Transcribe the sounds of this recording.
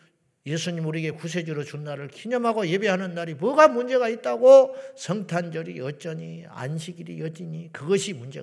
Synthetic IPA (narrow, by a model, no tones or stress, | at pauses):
je̞sʰuɲimuɾiɡe̞kusʰe̞d͡ʑɯɾot͡ɕunːaɾɯɭkʰiɲʌmɦaɡoje̞beɦanɯnːaɾimwʌɡamund͡ʑe̞ɣait̚t͈aɡosʰʌŋtʰand͡ʑʌɾiʌt͡ɕ͈ʌɲia̰nɕʰiɡiɾḭjʌd͡ʑiɲikɯɡʌɕʰimund͡ʑe